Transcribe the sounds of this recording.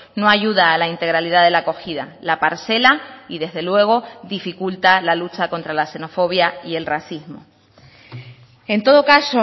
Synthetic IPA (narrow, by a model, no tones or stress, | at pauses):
no̞aʝuðaːlaint̪e̞ɣɾaliðaðe̞lako̞xiða̰lapaɾse̞laiðe̞ɦðe̞lwe̞ɣ̞o̞ðifikult̪alalut͡ʃako̞nt̪ɾalase̞no̞fo̞βjaie̞lraθizmo | e̞nt̪o̞ð̞o̞kaso